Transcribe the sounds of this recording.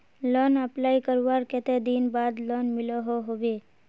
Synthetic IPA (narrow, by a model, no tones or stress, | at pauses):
lɔnəplaːikəɾʋaɾkɛt̪ed̪inbaːd̪lɔnmɪloɦoɦoʋe